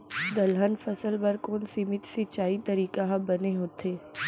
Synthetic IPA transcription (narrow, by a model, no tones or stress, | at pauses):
d̪ɐlɦənfɐsəlbɐɾkoːnsimɪt̪sit͡ʃaːit̪ɐɾiːkaɦbɐneɦoːt̪ʰeː